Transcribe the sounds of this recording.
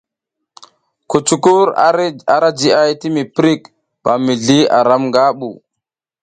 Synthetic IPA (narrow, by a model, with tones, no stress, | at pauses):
ku˨t͡ʃu˨ku˦ɾa˨ɾa˦d͡ʒi˨a˦jti˦mi˨pɾi˦k | b̥a˨mi˨ɮi˦a̰˨ɾa˦mŋɡa˦ɓṵ˨